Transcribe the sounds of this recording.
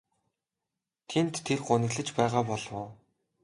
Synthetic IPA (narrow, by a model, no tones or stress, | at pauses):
t̪ʰent̪ʰːerɢʊnɘ̆ɣɮɘ̆t͡ɕpæːʁaːpɔɮwʊː